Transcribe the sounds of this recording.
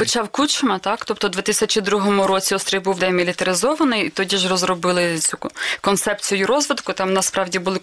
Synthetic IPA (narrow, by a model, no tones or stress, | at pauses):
pɔt͡ʃɑwkut͡ʃɐmɐt̪ɑkt̪ɔp̚t̪ɔd̪ʋʲɪt̪ɪsʲɐt͡ʃid̪ɾuɦɔmʊɾɔt͡sʲiɔst̪ʲɾʲijbuwd̪ɛjmʲilʲit̪ɐɾɪzɔʋɐnɪjit̪ɔdʲiʒrɔzɾɔbɪlˠɪt͡sʲukɔnt̪sɛp̚t͡sʲijʊjʊɾɔzʋɪd̪kʊt̪ɑmnɐspɾɑwdʲibʊlˠɪ